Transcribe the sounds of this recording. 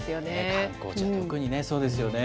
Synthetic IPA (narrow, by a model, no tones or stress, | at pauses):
sɨjonekaŋkõ̰ːokɯ̟ɲ̟ine̞so̞ːd̪e̞sɨjo̞ne